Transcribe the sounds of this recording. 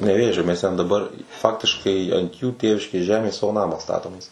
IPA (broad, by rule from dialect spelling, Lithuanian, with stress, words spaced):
nʲɛˈʋʲeːʒʲoː mʲɛs tʲɛn dɐˈbɐr ˈfɑːktʲɪʃkɐɪ ɐnt juː ˈtʲeːʋʲɪʃʲkʲeːs ˈʒʲæːmʲeːs ˈsɑːʋoː ˈnɑːmɑː ˈstɑːtoːmʲeːs